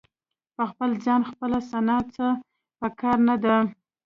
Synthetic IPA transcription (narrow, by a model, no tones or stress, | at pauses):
pəxpəlzɑnxpəlasanɑt͡sə | pəkɑɾnad̪a